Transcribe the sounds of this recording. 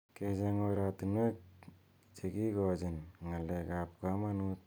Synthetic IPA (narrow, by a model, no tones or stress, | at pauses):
ked͡ʒeŋoɾatunek̚ | t͡ʃeɡiɡod͡ʒenŋaleɡapkamanut̚